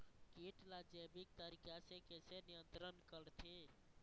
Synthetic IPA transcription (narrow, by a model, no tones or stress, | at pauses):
kiʈlad͡ʒebik̚t̪əɾikasekesenijənt̪ɾənkəɾt̪ʰi